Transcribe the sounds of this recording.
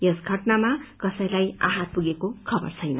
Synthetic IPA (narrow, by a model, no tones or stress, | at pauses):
jesɡʱʌʈnamakʌsʌj̃laja̰ɦat̪̚puɡekokʰʌbʌ̰rt͡sʰʌjnʌ